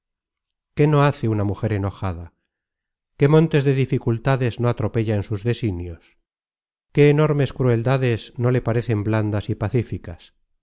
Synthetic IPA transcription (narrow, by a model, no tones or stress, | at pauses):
ke̞no̞aθeunamuxe̞ɾeno̞xaða | ke̞mõ̞nt̪e̞zðe̞ðifikult̪aðe̞zno̞at̪ɾo̞pe̞ʎaensuzðe̞sinjos | ke̞ːno̞ɾme̞skɾue̞ld̪aðe̞zno̞le̞paɾe̞θe̞mbland̪asipaθifikas